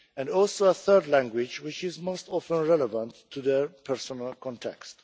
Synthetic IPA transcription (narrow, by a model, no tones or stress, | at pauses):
ɛ̃ndɔlˠsoəθɜ˞dlæ̃ŋɡwɪd͡ʒwɪt͡ʃɪzmostɔfə̃nɹɛləvə̃ntʰːuðəɹpʰɛɹsɔnəlkʰɔ̃ntʰɛ̰kst